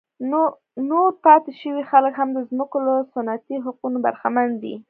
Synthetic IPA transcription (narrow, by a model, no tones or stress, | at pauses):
noɾpɑt̪ɪʃəwixaləkɦamd̪əzməkoləsʊnat̪iɦaqunoba̰ɾxamand̪ḭ